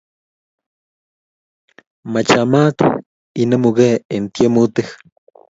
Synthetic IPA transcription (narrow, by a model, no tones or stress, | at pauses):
mat͡ʃamat̪ | inemuɣeent̪jemut̪ex